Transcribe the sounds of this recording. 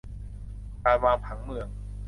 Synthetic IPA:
kaː˧jwaː˧ŋpʰa˩˦ŋmɯ˧əŋ

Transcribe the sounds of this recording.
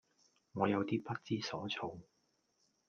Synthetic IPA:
ŋɔː˨˧jɐ˨˧wt̪iː˥pɐ˥t̚t͡siː˥sɔː˨˥t͡sʰo˧w

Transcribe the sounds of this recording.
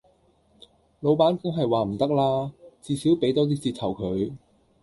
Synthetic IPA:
lo˨˧wpaː˨˥nkʊ˥ŋɦɐ˨jwaː˨˩m̩˨˩t̪ɐ˥k̚laː˥t͡siː˧siː˨˥wpe˨˥jt̪ɔː˥t̪̬iː˥t͡siː˧t̪̚ʰɐ˨˩wkʰɵ˨˧ɥ

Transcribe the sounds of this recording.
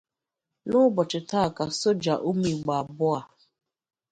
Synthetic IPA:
nʊ˦bɔ˨t͡ʃɪ˨ta˦˨ka˨so˦d͡ʒa˨ʔu˦mi˨ɡ͡ba˨bʊ˦a˨

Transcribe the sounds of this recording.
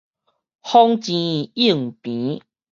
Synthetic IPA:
hɔ˦ŋt͡ɕĩ˧˨i˥˩˨ŋpĩ˨˦

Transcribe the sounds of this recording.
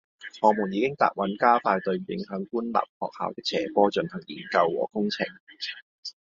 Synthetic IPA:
hɔː˨˥mʊ˨˩ŋjiː˨˧kɪ˥ŋt̪a̰ː˨˩k̚wʔɐ˨˥nkaː˥faː˧jt̪ɵ˧ɥjɪ˨˥ŋɦœː˨˥ŋkuː˥nla̰ː˨p̚hɔː˨k̚ha̰ː˨˩wt̪ɛː˥t͡sʰɛː˨˩kɔː˥t͡ʃɵ˧nhɐ˨˩ŋjiː˨˩nkɐ˧wːɔ̰ː˨˩kʊ˥ŋt͡sʰɪ˨˩ŋ

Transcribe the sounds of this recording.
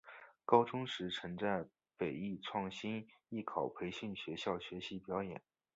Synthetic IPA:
kɑ˥ʊʈ͡ʂʊ˥ŋʂɻ̩˧˥ʈ͡ʂʰɤ˧˥ŋʈ͡ʂa˥˩ | pe˨˩ɪi˥˧ʈ͡ʂʰwɑ˥˩ŋɕi˥ni˥˩kʰɑ˨˩ʊpʰe˧˥ɪɕy˥˩nɕɥɛ˧˥ɕjɑ˥˩ʊɕɥɛ˧˥ɕi˧˥pjɑ˧˥ʊjɛ̰˨˩˦n

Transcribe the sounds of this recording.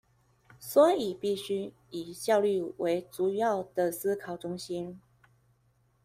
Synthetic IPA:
swɔ˧˥i˨˩pi˥˩ɕy˥ | i˨˩ɕjɑ˥˧ʊly˥˨wʔe˧˥ɪt͡su˨˩jɑ˥˨ʊd̪ə˨sɹ̩˥kʰɑ˨˩ʊʈ͡ʂʊ˥ŋɕi˦n

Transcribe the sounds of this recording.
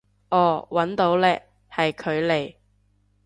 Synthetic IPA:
ʔɔː˨˩wɐ˨˥nt̪o˨˧˥wlɛː˧ | hɐ˨jkʰɵ˨˧ɥle˨˩j

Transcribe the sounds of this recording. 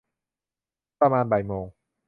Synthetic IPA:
pɾa˧maː˧nba˨˩jmoː˧ŋ

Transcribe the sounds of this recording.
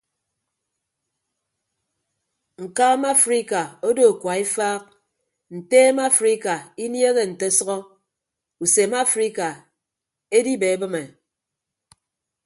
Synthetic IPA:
ŋ̩˨kaː˦ma˦fɾi˦ka˨o˦do˦˨kʷwa˨i˦faː˦k̚ | n̩˨teː˦ma˦fɾi˦ka˨i˦nje˦ɣe˨n̩˨te˦sʌ˦ɔ˦ | u˨se˨˦ma˦fɾi˦ka˨ | e˦di˦be˨e˦bɨ˦me˨

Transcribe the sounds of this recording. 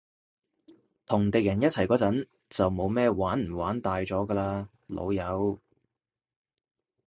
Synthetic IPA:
t̪ʰʊ˨˩ŋt̪e˨kjɐ˨˩njɐ˥t̚t͡sʰɐ˨˩jkɔː˨˥t͡sɐ˨˥n | t͡sɐ˨wmo˨˧wmɛː˥˧waː˨˥nm̩˨˩waː˨˥nt̪aː˨jt͡sɔː˨˥ɡɐː˧laː˧ | lo̰˨˧wjɐ˨˧w

